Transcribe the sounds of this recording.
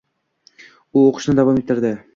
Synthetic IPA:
ʊoqʰə̥ʃnɪd̪avɑmet̪ːɪɾd̪ɪ

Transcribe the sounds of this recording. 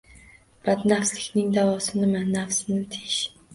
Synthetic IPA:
b̥ad̪nafslɪkʲnɪŋd̪avɒsɪnɪmanːafsɪnɪt̪ʰeʃ

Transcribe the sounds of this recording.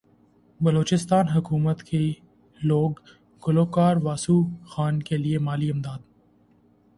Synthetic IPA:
bɐloːt͡ʃɪst̪aːnɦɐkuːmət̪kʰe | loːɡ | ɡʊloːkaːɾʋaːsuxaːnkeliemaːliɐmd̪aːd̪̚

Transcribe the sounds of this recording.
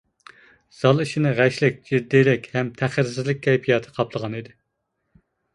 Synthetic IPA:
z̥ɑlˠiʃinɨʁæʃlɪk̚ʲd͡ʒiɾd̪ijlɪkʲhɛmt̪ʰæχɪɾs̬ɪzlɪk̚ʲkʰʲːɛjpʰijɑt̪ʰɨ̥qʰɑpʰlˠəʁɑnid̪ɪ

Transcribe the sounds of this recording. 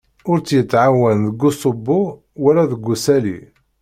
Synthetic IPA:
ʊɾt͡sːjət͡sːʕawːænðəɡːʊsˤobːʊ | wælæðəɡːusæli

